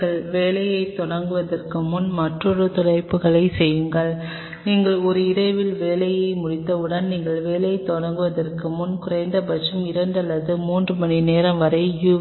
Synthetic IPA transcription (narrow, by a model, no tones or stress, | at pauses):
ɐɭʋeːlɐjɐɪt̪ːɔɽɐŋɡɯʋɐðɐrkɯmʊnmɐʈrɔɾɯt̪ɔɽɐɪpːɯɣɐɭɐɪsɛjːɯŋɡɐɭ | niːŋɡɐɭɔɾɯɪɾɐɪʋɪlʋeːlɐjɐɪmʊɽɪt̪ːɐɯɽɐnniːŋɡɐɭʋeːlɐjɐɪt̪ːɔɽɐŋɡɯʋɐðɐrkɯmʊnkʊɾɐɪnd̪ɐbɐt͡ʃɯmɪɾɐɳɖɐlːɐðɯmuːndrɯmɐnineːɾɐmʋɐɾɐɪju